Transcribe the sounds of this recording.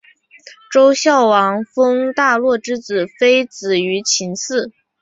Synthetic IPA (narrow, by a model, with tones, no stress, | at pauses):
ʈ͡ʂo˥ʊɕjɑ˥˩ʊwɑ˧˥ŋfɤ˥ŋt̪a˥˧lwɔ˥˩ʈ͡ʂɻ̩˥t͡sɹ̩˨˩fe˥ɪt͡sɹ̩˨˩y˧˥t͡ɕʰi˧˥ŋsɹ̩˥˩